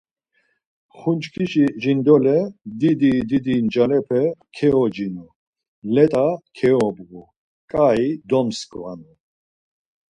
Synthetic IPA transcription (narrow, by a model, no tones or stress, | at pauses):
χunt͡ʃkʰiʃiʒind̪ɔlɛd̪id̪id̪id̪ind͡ʒalɛpʰɛkʰɛɔd͡ʒinɔ | lɛt̪ʼakʰɛɔbɣu | kʼaid̪ɔmskʰʼvanu